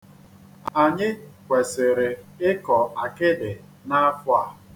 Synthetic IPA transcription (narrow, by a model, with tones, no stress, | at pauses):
a˨ɲɪ˦kʷe˨sɪ˨ɾɪ˨ɪ˦kɔ˨a˨kɪ˦dɪ˨ | na˦fʊ˦a˦˨